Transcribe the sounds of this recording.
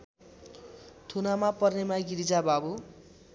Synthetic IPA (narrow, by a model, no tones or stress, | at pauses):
t̪ʰunamapʌrnemaɡiɾid͡zababu